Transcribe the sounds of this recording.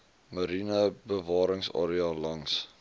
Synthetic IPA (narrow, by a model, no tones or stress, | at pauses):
məɾinəbəvɑːɾəŋsɑ̰ːɾiɑːlɐŋs